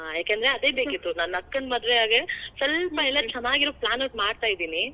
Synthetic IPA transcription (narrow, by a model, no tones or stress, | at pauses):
ɦajaːkend̪ɾeɐd̪e̞ːbekkit̪ːunaːnɐkːɐnd̪maːd̪ʋeɦaːɡesɐlpmɐɦilɐt͡ʃʰɐnaːɡiɾoːplaːnɐɡmaːɖt̪aːjid̪iːni